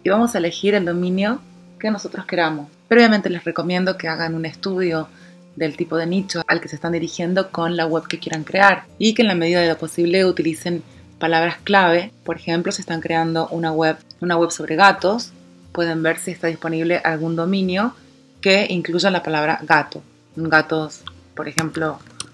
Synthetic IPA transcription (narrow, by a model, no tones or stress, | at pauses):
iβamo̞saele̞xiɾe̞ld̪o̞mĩnjo̞ | keno̞so̞t̪ɾoske̞ɾamo̞spɾeβjament̪ele̞sreko̞mje̞nd̪o̞keaɣanune̞st̪uð̞jo̞ | ðe̞lt̪ipo̞ðe̞nit͡ʃoalkesest̪and̪iɾixje̞nd̪o̞ko̞nlaɣweβkekjeɾaŋkɾeaɾikeːnlame̞ð̞iðað̞e̞lo̞po̞siβle̞ut̪ilise̞n | palaβɾasklaβ̞e̞po̞ɾexe̞mplo̞sest̪aŋkɾe̞and̪o̞ʔunaɣweβunaɣwe̞βso̞βɾʔe̞ɣat̪o̞s | pwe̞ð̞e̞mbe̞ɾsiest̪aðispo̞niβ̞leʔalɣund̪o̞mĩnjo̞ | keiŋkluʒalapalaβ̞ɾa̰ɣat̪o̞ | ɡat̪o̞spoɾexe̞mplo̞